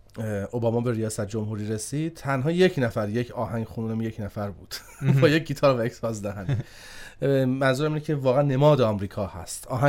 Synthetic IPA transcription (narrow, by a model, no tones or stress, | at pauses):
ʔobɒːmɒːbe̞ɾijɒːsæt̪̚ʰd͡ʒo̞mhuːɾiːɾe̞siːd̪̥̚t̪ʰænɦɒːjecʰnæfæɾje̞cʰɒːɦæŋɡxununemjecʰnæfæɾbuːd̪̥ | bɒːjec̚ɡiːt̪ʰɒːɾvæeksɒːzd̪æɦæni | mænzuːɾæmiːnecʰe̞vɒːɣæænːe̞mɒːd̪eɒmɾiːkʰɒːhæ̰st̪ɒːɦæ